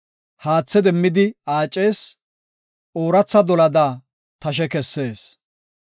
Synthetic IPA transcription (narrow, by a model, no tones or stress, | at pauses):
haːt͡sːɛd̪ɛmːɪd̪ɪaːt͡ʃʼːe̞ːs | ʔoːɾɐt͡sːɐd̪ɔlɐd̪aː | t̪ɐʃ̬ɛkɛsːe̞ːs